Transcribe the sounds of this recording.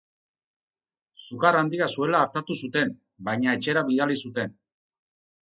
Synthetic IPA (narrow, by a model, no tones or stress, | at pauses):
suɣaɾand̪iasue̞laːɾt̪at̪usut̪e̞m | bajɲae̞t͡ʃe̞ɾaβiðalisut̪e̞n